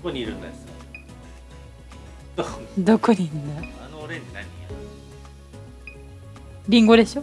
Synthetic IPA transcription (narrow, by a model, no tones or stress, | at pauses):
koɲʲiɾɯ̃nd̪aese | d̪d̪okʰːoɲinːaanoːɾeɲinaɲʲia | ɾʲĩŋɡo̞d̪e̞ɕo